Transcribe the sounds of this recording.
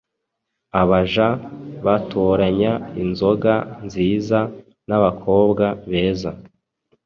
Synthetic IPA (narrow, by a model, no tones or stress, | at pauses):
aβaʒaβatʰoɾaɲainzo̞ɡanziːza | naβakʰo̞ːbɡaβe̞ːza